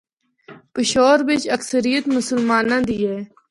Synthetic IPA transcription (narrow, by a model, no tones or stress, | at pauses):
pɪʃoːɾʋɪt͡ʃəksəɾijət̪mʊsəlmaːnãːd̪iːɛː